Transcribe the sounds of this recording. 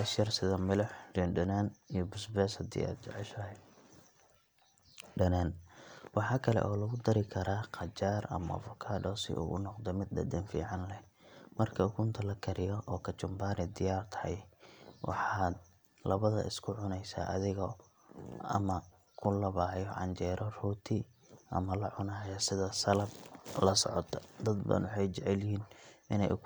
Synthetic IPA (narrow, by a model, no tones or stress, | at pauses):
ɐʃjɐrsɪðɐmɪlɔħd͡ʒɛnɖɐnaːnijɔbʊsbɛːshɐd̪ḭːa̰ːd̪t͡ʃɛ̰ʕɛʃɐɦɛ | ɖɐnaːnwɑħɑːkʰɐlɛ̰ʔɔːlɐɣʊd̪ɐɾɪkʰɐɾaːqɑt͡ʃaːrɐ̰mɐ̰ʔfʊkʰaːdɔːsɪ̰ʔṵːɣʊnɔqd̪ɔmɪd̪̚ɖɐ̰d̪ɛnfḭːʕɑnlɛ | mɐrkʰɐʊkʰʊnt̪ʰɐlɐkʰɐɾɪjɔʔɔːkʰɐt͡ʃʊmbaːɾɛd̪ɪjaːrt̪ʰɐ̥hɐjwʔɑ̰ħɑːd̪̚ | lɐβɐðɐ̰ʔɪ̰skʰʊʕʊnɛjsa̰ːʔɐðɪɣɔ | ɐ̰mɐ | kʰʊlɐβaːjɔʕɑ̰nt͡ʃɛːɾɔruːt̪ʰɪ | ʔɐ̰mɐlɐʕʊnɐjɐsɪðɐsɐlɐb̚lɐsɔʕɔt̪ʰɔd̪ɐd̪ba̰ːnwɑħɑjt͡ʃɛʕɛljɪɦiːnʔɪnɛj